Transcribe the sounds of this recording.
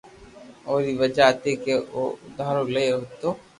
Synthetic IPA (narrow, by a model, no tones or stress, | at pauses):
oːɾiʋəd͡ʒaːt̪ekeoʊd̪aːɦɾolɐeɦot̪oː